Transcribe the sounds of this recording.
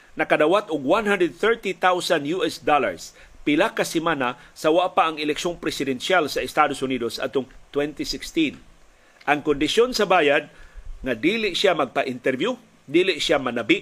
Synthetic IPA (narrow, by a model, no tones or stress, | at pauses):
nɐkad̪awat̪ʊɡwanhand̪ɾɛd̪̚θɛɹt̪it̪awsanjuʔɛsd̪ala̰ɹs | pɪlakasɪmanasawaʔpaʔɐŋɪlɛkʃoŋpɾɛsɪd̪ɛnʃjalsɐɛst̪ad̪osʊniːd̪osa̰d̪̚t̪ʊŋt̪wɛnt̪isɪkst̪in | ʔɐŋkʊnd̪ɪʃjonsɐbaːjad̪̚ŋad̪iːlɪʔsjamɐɡ̚paʔɪnt̪ɛɾbju | d̪iːlɪʔsjamanabɪʔ